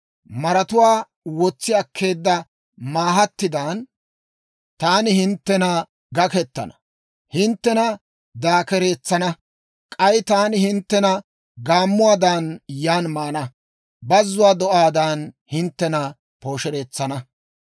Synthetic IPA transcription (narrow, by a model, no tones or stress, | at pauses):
mɐɾɐt̪ʊwaː | wɔt͡sːɪɐkʰːe̞ːd̪ːɐ | maːɦɐt̪ːɪd̪aːn | t̪aːnɪhɪnt̪ːɛnɐ | ɡɐkɛt̪ːɐ̰nɐ̥ | hɪnt̪ːɛnɐ | d̪aːkɛɾe̞ːt͡sːɐnɐ | kʼɐjt̪aːnɪhɪnt̪ːɛnɐ | ɡaːmːʊwaːd̪aːnjaːnmaːnɐ | bɐzːʊwaːd̪ɔʔaːd̪aːn | hɪnt̪ːɛnɐ | po̞ːʃɛɾe̞ːt͡sːɐnɐ